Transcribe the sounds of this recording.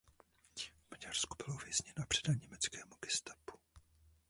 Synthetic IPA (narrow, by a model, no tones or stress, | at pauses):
vmaɟarsku̥bɪlovjɛzɲɛnoapr̥ɛdaɲɛmɛt͡skɛːmuɡɪst̪ḁpu̥